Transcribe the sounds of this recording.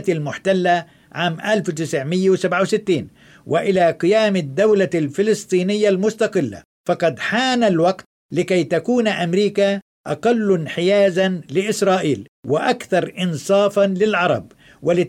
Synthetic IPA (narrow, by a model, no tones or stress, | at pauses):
t̪almʊħt̪alːa | ʕaːmʔalfwt̪ɪsʕmɪjːawsabʕawsɪt̪ːiːn | wʔɪʔɪlaqɪjaːmad̪ːawlalfɪlɨst̪ˤiːnɪjːalmʊst̪ɑqɪlːa̰ | fɑqɑd̪ħaːnalwaqt̪̚ | lɪkajt̪akuːnʔamɾiːka | ʔa̰qɑlːnħɪjaːzanlɪʔɪsɾˤɑːʔiːl | wɪʔakθɑɾˤʔɪnsˤɑːfɑnlɪlʕɑɾˤɑ̰b̚ | wɪlɪ